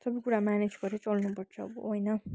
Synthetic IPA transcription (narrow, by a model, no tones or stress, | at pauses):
sʌbikuɽamaned͡zɡʌɾet͡sʌlnupʌrt͡sʰʌ̰ːbʌ̰ɦojnʌ